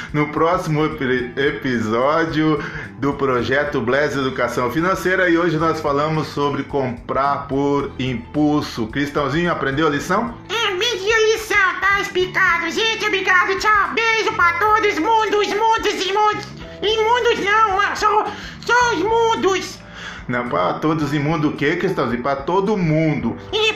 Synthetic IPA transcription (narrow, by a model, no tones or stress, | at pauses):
nʊpɾɔsimʊpepizɔd͡ʒjʊd̪ʊpɾoʒɛt̪ʊblɛzed̪ukasɐ̃w̃finɐ̃sejɾɐɪoʒɪnɔsfalɐ̃mʊsːobɾɪkõmpɾaɾpoɾĩpulsʊkɾist̪ɐ̃w̃zĩɲʊapɾẽnd̪ewɐlisɐ̃w̃ | ɛ̃mĩd͡ʒiɐlisɐ̃w̃t̪aesplikad̪ʊʒẽt͡ʃɪobɾiɡad̪ʊt͡ʃawbeʒʊpɾat̪od̪ʊzmũd̪ʊzmũd̪ʊzẽmũd̪ʊs | ẽmũd̪ʊznɐ̃w̃ãsɐ̃w̃ | sõw̃ʊzmũd̪ʊs | nɐ̃w̃pɾa̰t̪od̪ʊzẽmũd̪ʊkekɾist̪ɐ̃w̃zĩɲʊpɾat̪od̪ʊmũd̪ʊĩ